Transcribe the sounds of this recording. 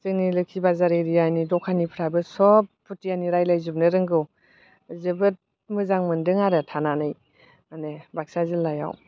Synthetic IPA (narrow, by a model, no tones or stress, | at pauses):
tɯŋnilɯkʰibazaɾɯɾijanidɔkʰanipʰɯɾabɯsɔp̚pːutijaniɾajlajzum̚nɯɾɯŋɡɯw | zɯbɯt̚ | mɯzaŋmɯndɯŋaɾɯtʰananɯj | manebak̚sazɯlːaja̰w